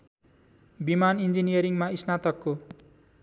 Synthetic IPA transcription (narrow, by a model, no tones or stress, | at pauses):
bimanind͡zinijʌɾiŋmaisnat̪ʌkːo